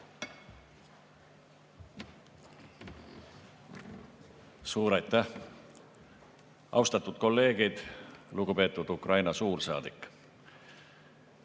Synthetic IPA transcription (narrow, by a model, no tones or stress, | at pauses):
suːɾɑjt̪ˑːæh | ʔɑ̰wst̪ɑt̪ːud̪̥̚ko̞lːe̞ːɡ̥id̪̥luɡupe̞ːt̪ːˑud̪̥ukrɑjnɑsuːrsɑ̰ːd̪̥ikːˑ